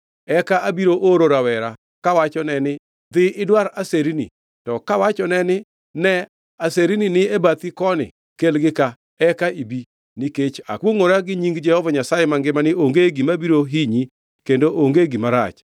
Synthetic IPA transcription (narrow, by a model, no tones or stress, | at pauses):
ɛkaʔabiɾoʔoɾoɾawɛɾa | kawat͡ʃɔnɛnɪ | d̪ɪɪdwaɾaseɾinḭ | tɔkawat͡ʃɔnɛnɪ | nɛ | aseɾininɪebat̪ikɔnɪ̰ | kelɡɪka | ɛkaibi | nɪket͡ʃa̰kwoŋoɾaɡɪɲiŋɡd͡ʒɛhɔvaɲasajɛmaŋɡɪmanɪʔoŋɡeɡimabiɾoɦiɲi | kendoʔoŋɡeɡimaɾa̰t͡ʃ